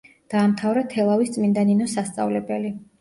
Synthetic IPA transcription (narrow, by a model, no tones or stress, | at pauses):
d̪̥aːmt̪ʰavɾɛt̪ʰɛlˠavist̪sʼmind̪aninɔsast̪sʼa̰vlɛbɛli